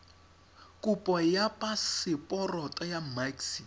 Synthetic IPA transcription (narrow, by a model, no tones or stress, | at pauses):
kʼupʼɔjapʼasɪpʼɔrɔtʼɔjamaksi